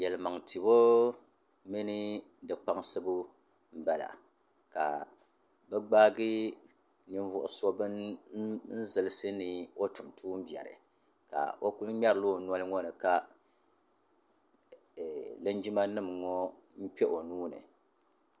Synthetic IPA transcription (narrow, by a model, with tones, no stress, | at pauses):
jɛ˨lɨ˨ma˨ŋti˨bo˦ | mi˦nɨ˦ | dɨ˨k͡pa˦ŋsɨ˦bu˦ | m̩˦bɛ˦la̰˨ | ka̰˨ | bɨ˦ɡ͡baː˦ɡɨ˦ | nɨ˦ɱvʊ˦ʔʊ˦so˦bɨ˦n | n̩˦zɨ˨lɨ˦sɨ˦nɨ˨o˦tu˨mtʰuː˦m̩˦bjɛ̰˨ɾɨ̰˨ | ka̰˨o˦ku˦lɲa˦ɾɨ˨loː˦˨nɔ˦lɨ˦ŋɔ˦nɨ˨ka˦˨ | lɨ˦nd͡ʒi˦ma˦nɨ˦mŋɔ˦ | m̩˦k͡pɛ˦ʔo˨nuː˦nɨ̰˨